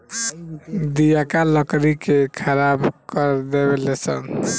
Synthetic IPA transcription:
d̪ijakaləkɾikekʰəɾabkəɾd̪ebelesə̰n

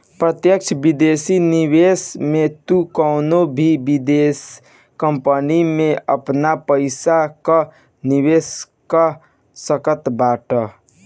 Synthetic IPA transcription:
pɾət̪jək̚t͡ʃʰbid̪esinibesmet̪ukəʊnobʱibid̪es | kəmpənimeə̰pnapəɪsakə | niβes | kə | səkət̪baʈə

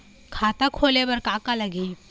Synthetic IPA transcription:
kʰaːt̪akʰoːlebɐɾkaːkalɐɡʱi

